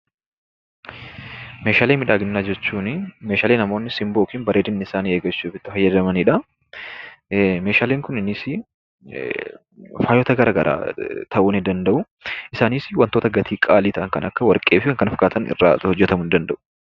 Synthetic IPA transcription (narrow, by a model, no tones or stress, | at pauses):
me̞ːʃaːleːmɪᶑaːɡɪnːaːd͡ʒɛt͡ʃːuːnɪmeːʃaːlenːɐmo̞ːnːɪsɪmbo̞ːkɪnbɐɾʔeːd̪ɪnːɪɪsaːnieːɡɐt͡ʃːuːfɪt̪ːɪfɐjːɐd̪ɐmɐniᶑɐ | me̞ːʃaːleːŋkʊnɪnɪsɪ | faːjɔt̪ɐɡɐɾɐɡɐɾʔa̰ːt̪ʰɐʔuːnɪd̪ɐnd̪ɐʔʊ | ɪsaːnisɪwɐnt̪oːt̪ɐɡɐt̪ʰiːkʼaːliːt̪ɐʔŋkɐnɐkːɐwɐɾkʼːe̞ːfɪkɐŋkɐnɐfkaːt̪ɐnɪ̰rːa̰ːhɔd͡ʒːɛt̪ɐmʊnd̪ɐnd̪ɐʔʊ̥